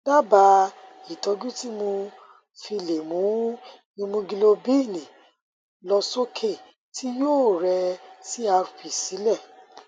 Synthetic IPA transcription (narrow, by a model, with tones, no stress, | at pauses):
da˦ba˧˦ | i˨tɔ˨˧˦ɡũ˦ti˦mo˧ | fi˧le˨mũ˨˦ | nĩ˧mũ˧ɡi˧lo˧bi˦˨nĩ˨ | lɔ˧so˦kʰe˦˨ | ti˦joː˦˨ɾɛ˧si˦a˧ɾu˨pi˨si˨˦lɛ˦˨